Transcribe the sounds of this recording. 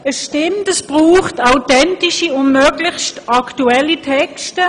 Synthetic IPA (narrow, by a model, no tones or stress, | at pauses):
əsʃtɪmtəsb̥ʁuːχtaʊtɛntiʃiʊndmœɡlɪçstɑktuɛlitʰɛkstə